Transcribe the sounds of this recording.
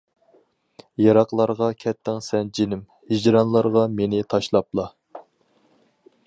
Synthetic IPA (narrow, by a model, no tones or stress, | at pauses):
jɑɾɑqlˠɑɾʁɑkʲʰɛt̪ʰːɪŋsɛnd͡ʒinɪm | hid͡ʒɾɑnlˠɑɾʁɑmenɪt̪ʰɑʃlˠɑp̚lˠɑ